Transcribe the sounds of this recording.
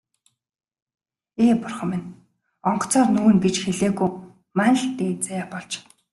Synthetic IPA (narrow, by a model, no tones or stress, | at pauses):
eːpʊrχə̆mɪn | ɔɴɢɞ̥̆t͡sɔːrnuːɘ̆ŋɡet͡ɕxeɮeːɣuj | mæn̆ɮt̪eːt͡sajaːpɔɮt͡ɕ